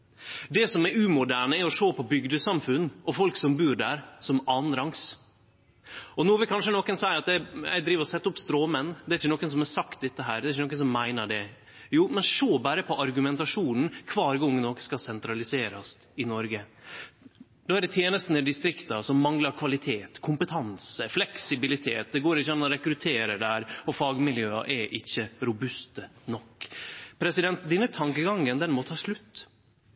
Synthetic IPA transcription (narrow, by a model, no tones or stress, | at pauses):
d̪ɛsɔmɛɾʉːmʊd̪æːɳəɛɾɔʂoːpʰɔbʏɡd̪əsɑmfʉnːʔɔfɔlksɔmbʉːɖæːɾsɔmɑːnɾɑŋs | ɔnuːʋkʰɑnʂənɔkːənsɔæːɾɑt̪ɛæ̰d̪ɾiːʋəɾɔsɛt̪ːəʊpst̪ɾoːmɛnːd̪ɛæɾɪçənɔːkːəns̬ɔmɛɾsɑkt̪̚d̪ɛt̪ːəɦæːɾd̪ɛɾɪçənɔːkːənsɔmːæɪnəɖɛ | juːmɛnʂoːbɑːɾəpʰɔʔɑɾɡʉmɛnt̪ɑʂuːnn̩kʰʋɑːɾɡɔŋːnɔkə̥skɑsɛnt̪ɾɑlɪseːɾɑsɪnɔɾɡə | d̪oːæɾɖɛt̪ʰjeːnəst̪nəd̪ɪst̪ɾɪkt̪ɑsɔmːɑŋlɑɾkʰʋɑlɪt̪ʰeːt̪kʰʊmpət̪ʰɑnsəflɛksɪbɪlɪt̪ʰeːt̪̚d̪ɛɡoːɾɪçːɾɑnɔɾɛkɾʉt̪ʰeːɾəɖ̪ɛæːɾɔfɑːɡmɪljøːɑ̰ʔɛʔɪçːəɾʊbʉst̪ənɔkːpʰɾɛsɪd̪ɛnt̪̚d̪ɛnːət̪ʰɑŋkəɡɑŋːənd̪ɛnmɔt̪ʰɑːʂlʉt̪ː